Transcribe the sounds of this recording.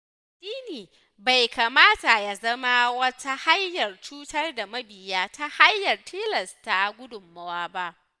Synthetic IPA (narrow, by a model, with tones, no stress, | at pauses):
d̥iː˦niː˨ | ba˨jkaː˨maː˦ta˨ja˨zɐ˦ma˦wɐ˦ta˦ha˦jːɐ˨rt͡ʃuː˦tɐ˦rda˨mɐ˦bɪ˨jaː˦ta˦ha˦jːɐ˨rtʰiː˦lɐ˨sta˨ɡʷʊ˦dʊ˨mːɐ˦waː˦ba˦ʔ